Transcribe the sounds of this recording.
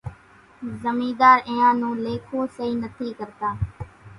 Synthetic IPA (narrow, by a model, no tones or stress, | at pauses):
zəmĩːd̪aːɾɪ̃ːãːnũːleːkʰoːsəiːnət̪ʰiːkəɾt̪aː